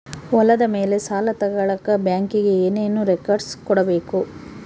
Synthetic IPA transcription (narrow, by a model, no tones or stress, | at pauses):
ɔlɐd̪ɐme̞ːle̞saːlɐt̪ɐɡɐɭɐkːɐbjaːŋkiɡe̞eːne̞ːnuːɾekɐɾɖskɔɽɐbe̞ːku